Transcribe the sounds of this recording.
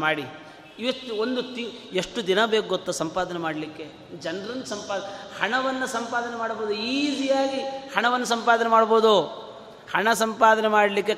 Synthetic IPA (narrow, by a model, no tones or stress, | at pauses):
aːɽi | iʋɐt̪ːuond̪ut̪ieʂʈud̪inɐbeːk̚ɡot̪ːusɐmpaːd̪ɐnɛmaːɽlikːe̞ | d͡ʒɐnɾɐnːɐsɐmpaːhɐɳɐʋɐnːɐsɐmpaːd̪ɐnɛmaːɽboːd̪uiːd͡ʒijaːɡihɐɳɐʋɐnːɐsɐmpaːd̪ɐnɛmaːɽboːd̪u | hɐɳɐsɐmpaːd̪ɐnɛmaːɽlik̬ːe